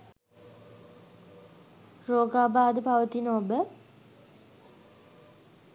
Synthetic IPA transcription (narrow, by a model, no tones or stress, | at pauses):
roːɡaːbaːd̪əpaʋət̪inobə